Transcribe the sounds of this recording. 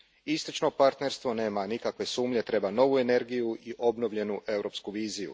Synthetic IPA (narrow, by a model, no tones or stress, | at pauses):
ist̪ot͡ʃno̞paɾt̪ne̞ɾst̪ʋo̞ne̞ːmanikakʋe̞suːmʎe̞t̪ɾe̞bano̞ʋue̞ne̞ɾɡijuiʔo̞bno̞ʋʎe̞nuʔe̞wɾo̞pskuʋiːzijṵ